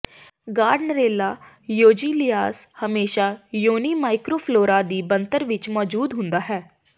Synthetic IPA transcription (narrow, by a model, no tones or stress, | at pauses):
ɡaːɖnəɾeːlaː | joːd͡ʒiːlɪjaːshəmeːʃaːjoːniːmaːɪkɾoːpʰloːɾaːd̪iːbənt̪əɾʋɪt͡ʃmɔːd͡ʒuːd̪ɦʊ̃nd̪aːɦɛː